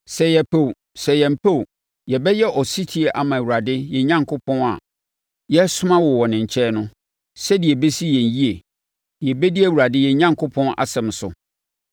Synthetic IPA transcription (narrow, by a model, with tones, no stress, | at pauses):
sɛ˨jɛ˨pʰo˦˨w | sɛ˨jɛ̃˨m̩˨pʰo˦w | jɛ˨bɛ˦jɛ˦ʔɔ˨si˦tʰi˦e˦ʔa˨mã˨wu˨ɾa˨dɪ˦jɛ˨ɲã˦ŋkʰʊ˦pʰɔ̃˦na̰˨ | jɛ˦sʊ˦mã˦wɔ˨wɔ˨nɪ̃˨ɲ̩˨t͡ɕʰɛː˦nʊ̃˦ | sɛ˦di˨ɛ˨be˦si˦jɛ̃˨ɲ˨ji˦e˨ | ɛ˨bɛ˦di˦æ˦˨wu˨ɾa˨dɪ˦jɛ˨ɲã˦ŋkʰʊ˦pʰɔ̃˦na̰˨sɛ̃˨m˨sʊ̰˨